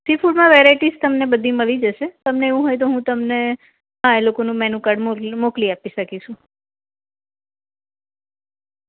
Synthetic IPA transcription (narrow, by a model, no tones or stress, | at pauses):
sifʰuɖmãʋeɾajʈist̪əmnebəd̪ʱiməlid͡ʒəʃet̪əmneeʋũɦojt̪oɦũt̪əmne | ɦãelokonũmɛnukəɖmmokliapiʃəkit͡ʃʰũ